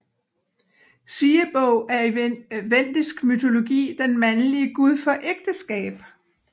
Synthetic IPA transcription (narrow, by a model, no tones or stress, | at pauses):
siːəb̥ɔʊæɐʋen̰d̥isɡ̥myt͡sʰo̝lo̝ɡ̥ḭːd̥enmænliəɡ̥uð̞ˠfɒ̽ʔeɡ̥̚d̥əsɡ̥ɛ̰ːb̥